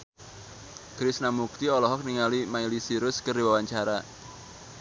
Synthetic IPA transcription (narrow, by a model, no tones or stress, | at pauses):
kɾɪsnamuk̚t̪iɔlɔɦɔk̚niŋalimailisiɾʊskərdiwawaɲt͡ʃaɾa